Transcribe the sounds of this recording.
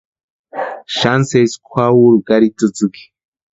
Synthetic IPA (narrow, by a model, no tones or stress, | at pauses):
ʃanseskʷʰwawuɾukaɾit̪ɨt͡sɨki̥